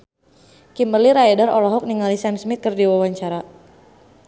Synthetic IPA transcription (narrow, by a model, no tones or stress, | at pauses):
kimərliɾajɛdarɔlɔɦɔk̚niŋalisamsmit̪̚kərdiwawaɲt͡ʃaɾa